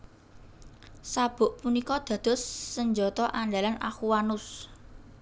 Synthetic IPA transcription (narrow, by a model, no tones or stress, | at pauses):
sab̥ʊ̤ʔpunikɔd̪̥a̤d̪̥o̤sːəɲd͡ʒɔt̪ɔʔaɳɖalanʔa̰xuwanʊs